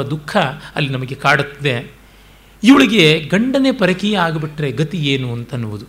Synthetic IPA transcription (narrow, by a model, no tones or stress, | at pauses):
ɐd̪ukʰːɐɐ̰lːinɐmɐɡekaːɽut̪ːɐd̪e | iʋɐɭiɡe̞ɡɐɳɖɐne̞pɐɾɐkijɐaːɡɐbiʈːɾe̞ɡɐt̪ieːnuɐnt̪ɐnːuʋud̪u